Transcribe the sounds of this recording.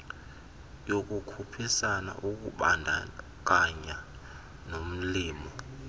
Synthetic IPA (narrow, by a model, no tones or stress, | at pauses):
jok̬ukʰupʰisana̰ʔuk̬uɓandʱa̰ | k̬aɲa | nom̩liːmɔ